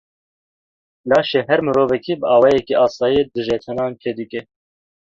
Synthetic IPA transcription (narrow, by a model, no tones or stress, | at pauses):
lɑːʃeɦɛɾmɨɾoːvɛkʰibəɑːwɑjɛkiʔɑːsɑːjid̪ɨʒɛt̪ʰɛnɑːnt͡ʃʰed̪ɨkʲʼɛ